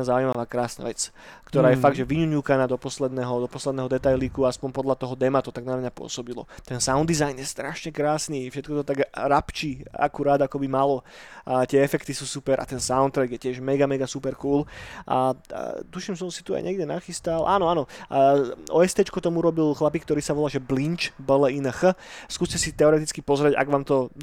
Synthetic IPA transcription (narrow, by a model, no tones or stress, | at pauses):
zauimaʋaːkɾaːsna̰ʋɛt͡s | kt̪ɔɾaːjɛfaɡd̪ʒɛʋiɲuɲuːkanaːd̪ɔpɔslɛd̪nɛɦɔd̪ɔpɔslɛd̪nɛɦɔd̪ɛt̪ajlikuaaspɔmpɔd̪lat̪ɔɦɔd̪ɛmat̪ɔt̪aɡnamɲapʊɔ̰sɔbilɔ̰t̪ɛnsaʊnd̪izajnjɛst̪ɾaʃɲɛkɾaːsnifʃɛt̪̚kɔt̪ɔt̪aɡɾapt͡ʃiːa̰kuɾaːd̪akɔbimalɔ | t̪ɪɛɛfɛkt̪isusupɛɾʔa̰t̪ɛnsaʊnt̪ɾɛɡjɛcɪɛʒmɛɡamɛɡasupɛɾkuːlʔa̰t̪uʃimsɔmsi̥t̪ua̰jɲʔɛɡɟɛnaxist̪alʔa̰nɔanɔ | ɔ̰ɛst̪ɛt͡ʃkut̪ɔmuɾɔbilxlapikt̪ɔɾiːsaʋɔlaːʒɛblint͡ʃbəlɛinəxəskuːscɛsit̪ɛɔɾɛt̪it͡skipɔzɾɛɟa̰ɡʋaːmt̪ɔ